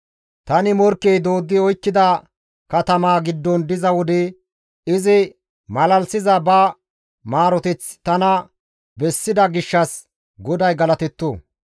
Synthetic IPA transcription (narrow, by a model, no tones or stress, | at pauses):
t̪ɐnɪmɔɾkːɛjd̪o̞ːd̪ːɪɔjkːɪd̪ɐ | kɐt̪ɐmaːɡɪd̪ːɔnd̪ɪzɐwɔd̪ɛ | ɪzɪ | mɐlɐlsɪzɐbɐ | maːɾɔt̪ɪt͡st̪ɐnɐ | bɛsːɪd̪ɐɡɪʃːɐs | ɡɔd̪ɐjɡɐlɐt̪ɛt̪ːuː